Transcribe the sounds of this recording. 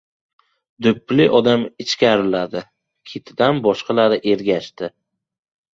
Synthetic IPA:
d̪ʊpːlɪʔɒd̪amɪt͡ʃkʲaɾɪlad̪ɪ | kʲʰet̪ʰɪd̪anbɒʃqʰɑlaɾɪʔe̞ɾɡʲaʃt̪ɪ

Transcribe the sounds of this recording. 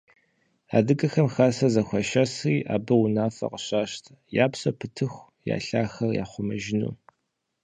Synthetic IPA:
a̰ːdɨɡʼɐxɐmxasɐzɐxʷɐʃɐsriːʔa̰ːbɐʊnaːfɐ̰qəɕaːɕtʰɐjaːpsɐpʰɨtʰɨxʷ | ja̰ːɬaːxɐrja̰ːχʷʊmɐʒɪnṵː

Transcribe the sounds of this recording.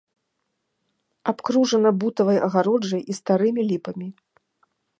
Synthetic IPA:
apkɾuʐɐnɐbut̪ɐvɐjʔɐɣaɾɔd͡ʐɐjist̪aɾɨmʲilʲipɐmʲi

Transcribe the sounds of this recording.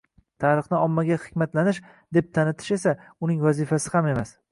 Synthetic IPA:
t̪ʰaɾɨχnɪɒmːaɡʲahɪ̥kʲmat̪lanɪʃ | d̪e̞p̚t̪ʰanɪt̪ʰɪ̥ʃe̞saʊnɪŋvazɪfasɪhame̞mas

